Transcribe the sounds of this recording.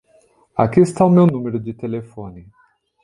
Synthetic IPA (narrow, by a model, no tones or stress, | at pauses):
a̰kiɪst̪aʊmewnũmeɾʊd͡ʒɪt̪elefõnɪ